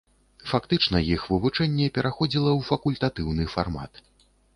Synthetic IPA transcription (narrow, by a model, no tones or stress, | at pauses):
fakt̪ɨt͡ʂnɐjixvɨvut͡ʂɛnʲːɛpʲɛɾʔaxɔd͡zʲilˠɐwfɐkulʲt̪at̪ɨwnɨfarma̰t̪